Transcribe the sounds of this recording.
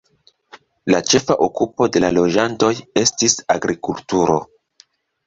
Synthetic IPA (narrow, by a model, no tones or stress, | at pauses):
lat͡ʃe̞faʔokupo̞de̞lalo̞d͡ʒanto̞je̞stisaɡɾikultuɾo̞̰